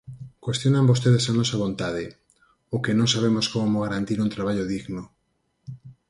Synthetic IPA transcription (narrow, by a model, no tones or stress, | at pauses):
kwest̪jonambost̪eðesanosaβ̞õnt̪að̞e | okenõŋsaβ̞emoskomoɣaɾant̪iɾunt̪ɾaβ̞aʎoðiɣno